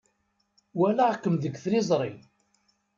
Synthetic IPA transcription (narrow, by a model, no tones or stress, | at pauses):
wælaʁkːəmðəɡθɾɪzˤɾˤin